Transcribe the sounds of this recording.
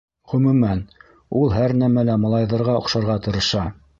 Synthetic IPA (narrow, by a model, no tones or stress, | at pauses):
ʁɵ̆mɵ̆mæn | ulˠhæɾnæmælæmɑ̆lˠɑjðɑ̆ɾʁɑŏqʃɑɾʁɑt̪ɤ̆ɾɤ̆ʃɑ